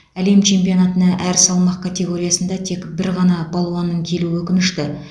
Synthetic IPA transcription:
æle̞mt͡ʃʰe̞mpijo̞nɑt̪ənɑʔæɾsɑlˠmɑq̚kʰat̪ʲe̞ɡo̞ɾijɑsənd̪ɑt̪ʰe̞kbɪɾʁɑnɑbɑlˠuɑnːəɴkʲʰe̞luɪwɵkʲɪnɪʃt̪ɪ

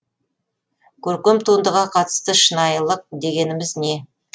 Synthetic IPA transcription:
kʲʰɵɾkʲemt̪ʰund̪əʁɑqʰɑt̪ə̥st̪əʃənɑjəlˠəq̚d̪e̞ɡʲe̞nɪmɪzne̞

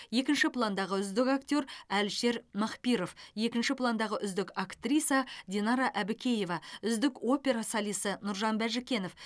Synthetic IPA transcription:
je̞kʲɪnʃɪplˠand̪ɑʁəʏzd̪ɪkakt̪ʲo̞ɾælʃe̞ɾmɑqpiɾo̞fje̞kʲɪnʃɪplˠand̪ɑʁəʔʏzd̪ɪkakt̪rʲijsɑd̪ʲenɑɾɑʔæbɪkʲʰe̞je̞vɑʏzd̪ɪko̞pʲe̞ɾɑsɑlˠisənʊɾʒɑnbæʒɪkʲe̞no̞f

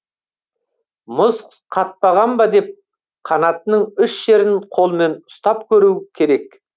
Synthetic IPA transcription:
mʊz | qʰɑt̪̚pɑʁɑmbɑd̪e̞p̚ | qʰɑnɑt̪ənəɴʏʃʒe̞ɾɪnqʰo̞lˠme̞nʊst̪ɑp̚kʲʰɵɾukʲʰe̞ɾe̞k

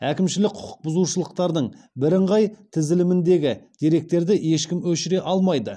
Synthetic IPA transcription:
ækʲɪmʃɪlɪk̚ʲqʰʊ̥qʰʊ̥q̚bʊzuʃəlˠəqt̪ɑɾd̪əɴ | bɪɾɪɴʁɑjt̪ʰɪzɪlɪmɪnd̪e̞ɡʲɪd̪̥eɾe̞k̚t̪e̞ɾd̪ɪje̞ʃkʲɪmwɵʃɪɾe̞ʔɑlˠmɑjd̪ə

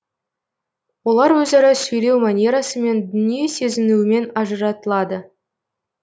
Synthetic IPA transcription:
wo̞lˠɑɾwɵzeɾɪsʲɵjɾʲewmanʲeɾasəme̞nd̪ʏnijesʲe̞zɪnuɪme̞nɑʒəɾɑt̪əlˠɑd̪ə

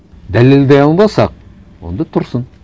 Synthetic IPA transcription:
d̪æleld̪eɑlˠmɑsɑq̚ | wo̞̰nd̪ɑt̪ʰʊɾsən

